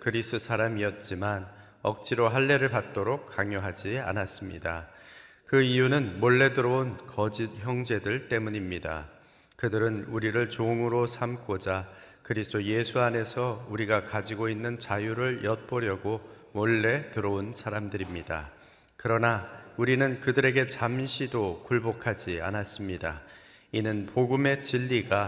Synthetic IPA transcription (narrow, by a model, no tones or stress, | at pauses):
kɯɾisɯsʰaɾamiʌt̚t͡ɕ͈iman | ʌk̚t͡ɕ͈ʰiɾoɦaɭːe̞ɾɯɭpat̚t͈oɾokk͈ːaŋjoɦad͡ʑia̰nas͈ɯmɲḭdakɯijunɯnmoɭːe̞dɯɾʌonkʌd͡ʑid̚çjʌŋd͡ʑe̞dɯɭt͈e̞muɲimɲida̰ | kɯdɯɾɯnuɾiɾɯɭt͡ɕoŋɯɾosʰamk͈od͡ʑa | kɯɾisʰtʰoje̞sʰuane̞sʰʌuɾiɡakad͡ʑiɡoinːɯnt͡ɕajuɾɯɭjʌt̚p͈ʌɾjʌɡo | mʌɭːe̞tɯɾʌunsʰaɾamdɯɾimɲida̰ | kɯɾʌnauɾinɯnkɯdɯɾe̞ɡe̞t͡ɕamɕʰidokuɭbokʰad͡ʑia̰nas͈ɯmɲida̰ | inɯnpoɡume̞t͡ɕiʎːiɡa